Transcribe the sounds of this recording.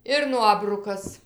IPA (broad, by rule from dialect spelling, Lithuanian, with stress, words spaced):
ɪr ˈnuɔbrʊkɐs